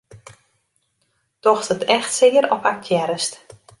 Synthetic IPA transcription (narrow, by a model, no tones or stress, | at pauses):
d̥ɔxsətʰɛxtsɪːəɾɔpak̚tʰjɛɾəst